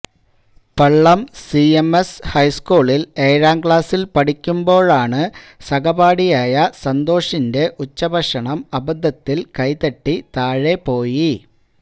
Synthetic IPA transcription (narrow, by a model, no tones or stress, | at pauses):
pɐɭːɐmsiemeshɐjskuːɭile̞ːɾaːmkɭaːsilpɐʈikʲːumbo̞ːɭaːɳɨsɐɡɐbaːɽijaːjɐsɐnd̪o̞ːʂinde̞ʔut͡ɕːɐbʱɐʂɐɳɐmɐbɐd̪ʱːɐt̪ːilkɐjt̪ɐʈːit̪aːɻe̞po̞ːji